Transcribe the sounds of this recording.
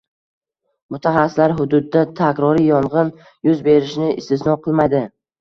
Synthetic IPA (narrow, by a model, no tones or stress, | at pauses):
mʊt̪ʰaχasɪ̥slaɾɦʊd̪ʊd̪ːat̪ʰakʲɾɒɾijɒɴʁɨn | jʊzbe̞ɾɪʃnɪɪst̪ɪsnɒqʰɨlˠmajd̪ɪ